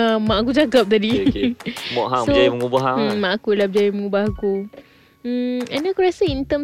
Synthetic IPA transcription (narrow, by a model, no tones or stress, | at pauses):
amãʔak̬ud͡ʒakap̚t̪adi | mɔʔɦasod͡ʒajməŋubaɦamãʔakuilab̚d͡ʒajiməŋubahaku | ɛnakuɾasaint̪əm